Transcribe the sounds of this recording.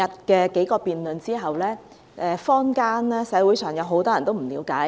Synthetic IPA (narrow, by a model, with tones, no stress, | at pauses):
ɐ˨t̚kɛː˧ke˨˥jkɔː˧piː˨nlɵ˨nt͡siː˥ɦɐ˨wlɛː˥ | ɛː˨˧fɔː˥ŋkaː˥nɛː˥sɛ˨˥wuː˨˥jsœː˨˩ŋjɐ˨˧wɦo˨˥wt̪ɔː˥jɐ˨˩nt̪o˥wm̩˨˩liː˨˧˥wkaː˨˥